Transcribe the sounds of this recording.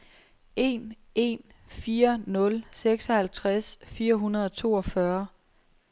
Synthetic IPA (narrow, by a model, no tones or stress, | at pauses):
e̝n | ʔe̝̰n | fiːɐnɔ̽lseɡ̥sɒ̽hælt͡sʰʁasfiːɐɦunɐð̞ˠɒt͡sʰo̝̰ːɒ̽fɶɐ